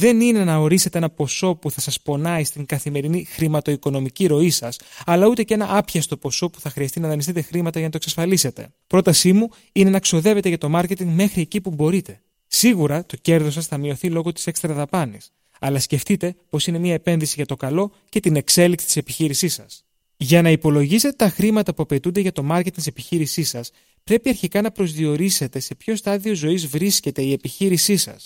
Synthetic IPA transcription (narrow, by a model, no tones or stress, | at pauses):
ðe̞nine̞nɐo̞ɾise̞t̪e̞e̞nɐpo̞so̞puθɐsɐspo̞nɐist̪iŋɡɐθime̞ɾinixɾimɐt̪o̞iko̞no̞miciɾo̞isɐsɐlɐut̪e̞cenɐʔɐpçɐst̪o̞po̞so̞pu̥θɐxɾiɐst̪inɐðɐnist̪it̪e̞xɾimɐt̪ɐʝɐnɐt̪oksɐsfɐlise̞t̪e̞̰ | pɾo̞t̪ɐsimu | ine̞nɐkso̞ðe̞ve̞t̪eʝɐt̪o̞mɐɾce̞t̪iŋɡme̞xɾiecipubo̞ɾit̪e̞ | siɣuɾɐt̪o̞ce̞ɾðo̞sɐsθɐmio̞θilo̞ɣo̞t̪ise̞kst̪ɾɐðɐpɐnis | ɐlɐsce̞ft̪it̪e̞po̞sine̞miɐepe̞nðisiʝɐt̪okɐlo̞ | ce̞t̪ine̞kse̞liksi̥t̪i̥se̞piçiɾisisɐs | ʝɐnɐipo̞lo̞ʝise̞t̪et̪ɐxɾimɐt̪ɐpuɐpe̞t̪und̪e̞ʝɐt̪o̞mɐɾcet̪iŋt̪isepiçiɾisisɐs | pɾe̞piɐɾçikɐnɐpɾo̞zðio̞ɾise̞t̪e̞se̞pço̞st̪ɐðio̞zo̞izvɾisce̞t̪e̞ie̞piçiɾisisɐ̰s